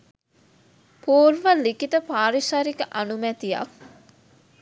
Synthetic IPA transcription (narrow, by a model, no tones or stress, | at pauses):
puːɾʋɐlːikit̪əpaːɾisaɾikəʔɐnumæt̪ijɐ̰k